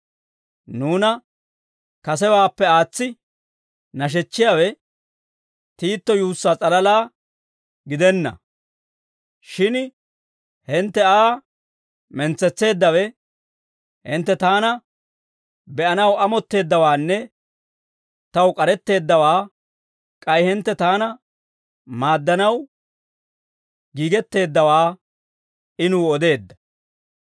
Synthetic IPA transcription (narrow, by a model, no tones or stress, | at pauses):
nuːnɐ | kɐsɛwaːpːɛaːt͡sːɪ | nɐʃ̬ɛt͡ʃːɪjawɛ | t̪iːt̪ːɔjuːsːaːt͡sʼɐlɐlaː | ɡɪd̪ɛnːɐ̰ | ʃɪn | hɪnt̪ːɛaː | mɛnt͡sːɛt͡sːe̞ːd̪ːɐwɛ | hɪnt̪ːɛt̪aːnɐ | bɛʔɐnɐwɐmɔt̪ːe̞ːd̪ːɐwaːnːɛ | t̪ɐwkʼɐɾɛt̪ːe̞ːd̪ːɐwaː | kʼɐjhɪnt̪ːɛt̪aːnɐ | maːd̪ːɐnɐw | ɡiːɡɛt̪ːe̞ːd̪ːɐwaː | ʔɪnuːɔd̪e̞ːd̪ːɐ̥